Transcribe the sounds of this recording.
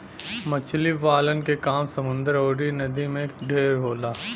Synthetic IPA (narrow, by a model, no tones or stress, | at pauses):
mɐt͡ʃʰliʋaːlənkekaːmsɐmʊ̃nd̪əɾoːɽinɐd̪imẽɖʱeːɾɦoːlaː